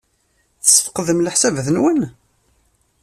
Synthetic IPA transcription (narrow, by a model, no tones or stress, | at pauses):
θəsːə̥fqəðəmləħsævðənwən